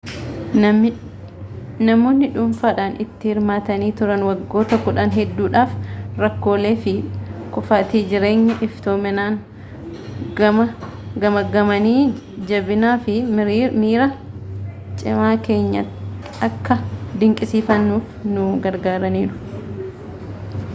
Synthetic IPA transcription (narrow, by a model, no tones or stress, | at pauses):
nɐmo̞ːnːɪᶑʊmfaːᶑaːnɪt̪ːɪhɪɾmaːt̪ɐniːt̪ʊɾɐnwɐɡːo̞ːt̪ɐkːʊᶑaːnɦɛd̪ːuːᶑaːfɾɐkːo̞ːle̞ːfɪkʊfaːt̪iːd͡ʒɪɾe̞ːɲːɐʔɪft̪oːmɛnaːn | ɐmɐ | ɡɐmɐɡɐmɐniː | d͡ʒɐbɪnaːfɪmiːɾɐ | t͡ʃʼɪmaːke̞ːɲːɐ̰t̪ | ɐkːɐd̪ɪŋkʼɪsiːfɐnːuːfnʊɡɐɾɡaːɾɐniːᶑʊ̥